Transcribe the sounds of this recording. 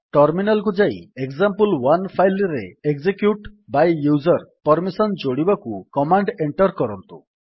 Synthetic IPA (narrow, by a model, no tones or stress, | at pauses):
ʈɔɾminalk̬ud͡ʒaieɡzampulwanpʰajlɾḛeɡzekjuʈbajjud͡ʒɔɾpɔɾmisɔnd͡ʒoɽibakukɔmaɳɖeɳʈɔɾkɔɾɔnt̪ṵ